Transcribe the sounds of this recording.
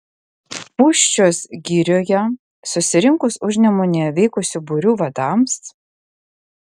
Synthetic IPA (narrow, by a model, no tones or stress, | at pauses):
puːʃʲt͡ʃʲoːsɡʲiːɾʲoːjɛ | sʊsʲɪɾʲɪŋkʊsʊʒʲnʲɛmʊnʲɛʋʲɛɪkʊsʲubʊɾʲuːʋɐd̪ɑms